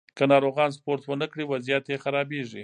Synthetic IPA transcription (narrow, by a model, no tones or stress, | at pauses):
kənɑɾoɣɑnspoɾt̪wənəkɽiwazijat̪jexaɾɑbeʐi